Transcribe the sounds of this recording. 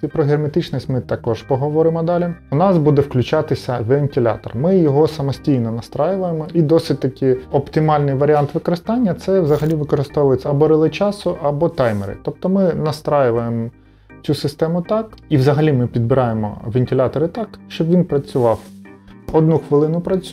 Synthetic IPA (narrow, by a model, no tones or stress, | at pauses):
ipɾɔɦermet̪ɪt͡ʃnisʲtʲmɪt̪ɐkɔʒpɔɦɔʋɔɾɪmɔd̪ɑlʲɪʊnɑsbud̪ɛfklʲʊt͡ʃɑt̪ɪsʲɐʋʲenʲtʲɪlʲa̰t̪ɔ̰rmɪjɔɦɔsɐmɔsʲtʲijnɔnɐst̪ɾajʊʋɐjemɔid̪ɔsʲɪd̚ʲt̪ɐkʲɪɔpt̪ɪmɑlʲnɪjʋɐɾʲiɑnt̪ʋɪkɔɾɪst̪ɑnʲːɐt̪sɛwzɐɦɐlʲiʋɪkɔɾɪst̪ɔʋʊjet͡sʲːɐɐbɔɾɪlˠɪt͡ʃɑsʊʔɐbɔt̪ɑjmḛɾɪ̰t̪ɔp̚t̪ɔmɪnɐst̪ɾajʊʋɐjemɔ | t͡sʲusɪst̪ɛmʊt̪ɑkiwzɐɦɐlʲimɪpʲid̪̚bɪɾɑjemɔ̰ʋʲenʲtʲɪlʲɑt̪ɔɾɪt̪ɑkʃt͡ʃɔbʋʲinpɾɐt͡sʲʊʋɑw | ɔd̪nuxʋɪlˠɪnʊpɾɐt͡sʲ